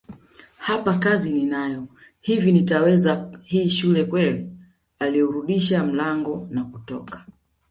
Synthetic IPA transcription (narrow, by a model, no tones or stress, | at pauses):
hapakazininajɔ | hivinitawɛzahiːʃulɛkwɛli | aliɔɾuɗiʃam̩laŋɡɔnakutɔ̰kḁ